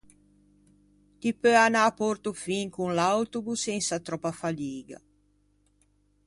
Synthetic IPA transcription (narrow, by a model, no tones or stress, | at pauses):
t̪ipøanaːpɔrt̪ufiŋkunlawt̪ubusːɛnsat̪ɾɔpːafaliːɡa̰